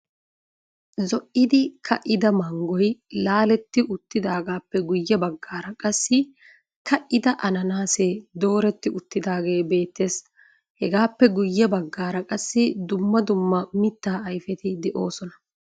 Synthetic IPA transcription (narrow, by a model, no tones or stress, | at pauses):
zɔʔɪd̪ɪkʰɐʔɪd̪ɐmɐŋɡɔjlaːlɛt̪ːɪʔʊt̪ːɪd̪aːɡaːpːɛɡʊjːɛbɐɡːaːɾɐkʼɐsːɪ | kɐʔɪd̪ɐʔɐnɐnaːseːd̪o̞ːɾɛt̪ːɪʔʊt̪ːɪd̪aːɡe̞ːbe̞ːt̪ːe̞ːs | hɛɡaːpːɛɡʊjːɛbɐɡːaːɾɐkʼɐsːɪd̪ʊmːɐd̪ʊmːɐmɪt̪ːaːɐjfɛt̪ɪd̪ɛʔo̞ːsɔnɐ̥